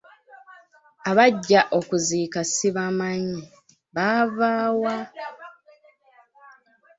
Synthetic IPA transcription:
aβaɟːaʔo̞kuziːkasiβamaɲi | βavaːwa

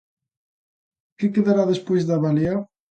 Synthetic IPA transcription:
kɪkeðaɾaðespojzðaβaleaw

